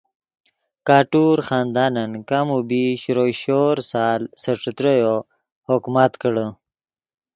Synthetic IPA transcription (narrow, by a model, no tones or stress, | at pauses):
kaːʈuɾxaːnd̪aːnankamubiɕɾojɕoːɾsaːlsəʈ͡ʂət̪ɾəjo | hokmat̪kəɽə